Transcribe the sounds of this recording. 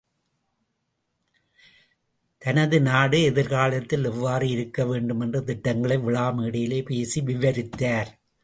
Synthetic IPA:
t̪ɐnɐðɯnaːɽɯɛðɪɾɣaːɭɐt̪ːɪlɛʋːaːrɯɪɾɯkːɐʋeːɳɖɯmɛndrɯt̪ɪʈːɐŋɡɐɭɐɪʋɪɭaːmiːɽɐjɪleːpeːsiʋɪʋɐɾɪt̪ːaːɾ

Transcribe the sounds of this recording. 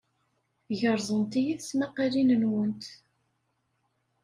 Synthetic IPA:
ʝəɾˤzˤənt̪ijiθsmæqɑlinənwənt̪

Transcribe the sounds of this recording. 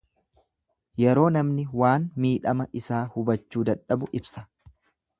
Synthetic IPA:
jɛɾo̞ːnɐmnɪwaːnmiːᶑɐmɐʔɪsaːhʊbɐt͡ʃːuːd̪ɐᶑɐbʊʔɪbsɐ̥

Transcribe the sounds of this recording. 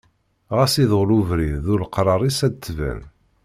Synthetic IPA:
ʁæsiðʁluvɾiððʊlqɾˤɑɾˤisæd̪t͡s̪ːvæ̰n

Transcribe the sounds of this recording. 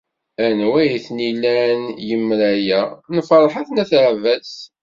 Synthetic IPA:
ænwæjθnilːænjəmːɾæjænəfɾˤħaθnæθəʕvæs

